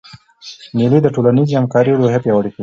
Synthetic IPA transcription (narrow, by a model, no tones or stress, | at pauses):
nilid̪əʈolanizihamkɑɾiloɦepjɑwaɽiki